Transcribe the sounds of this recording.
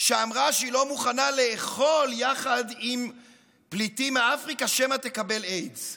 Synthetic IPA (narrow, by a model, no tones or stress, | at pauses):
ʃeamʁaʃilo̞muχanale̞ːχo̞ljaχadim | plitimeafʁikaʃemat̪e̞kabe̞lejdz